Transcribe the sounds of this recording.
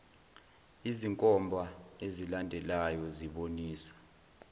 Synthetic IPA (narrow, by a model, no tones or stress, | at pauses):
iziŋkʼɔmbʱaezilandʱɛlajɔziɓoniːsḁ